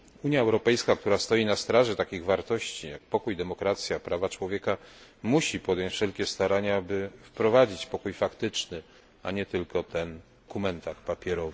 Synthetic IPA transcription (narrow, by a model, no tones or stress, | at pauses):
uɲjaɛwɾɔpɛjskakt̪uɾast̪ɔjinast̪ɾaʐɛt̪akʲiɣvaɾt̪ɔɕt͡ɕijak̚pɔkujd̪ɛmɔkɾat̪sʲjapɾavat͡ʂwɔvʲjɛkamuɕipɔd̪jɔ̃ɲt͡ɕfʂɛlkʲɛst̪aɾaɲabɘfpɾɔvad͡ʑit͡ɕpɔkujfakt̪ɘt͡ʂnɘ | aɲɛt̪ɘlkɔt̪ɛn | kumɛnt̪axpapʲjɛɾɔvɘ